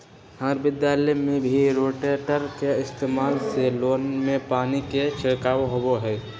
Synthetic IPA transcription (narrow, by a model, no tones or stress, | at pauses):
hãːɾbɪd̪jaːlɛmẽbʱiɾoːʈeːʈəɾkeɪst̪eːmaːlseloːnmẽpaːniket͡ʃʰɪɽkaːwɦowoɦɛː